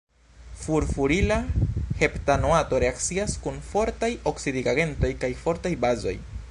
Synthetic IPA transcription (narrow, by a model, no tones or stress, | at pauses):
fuɾfuɾilahe̞ptanoato̞ɾe̞akt͡siaskunfo̞ɾtajoksidiɡaɡe̞nto̞jkajfo̞ɾtajbazo̞̰j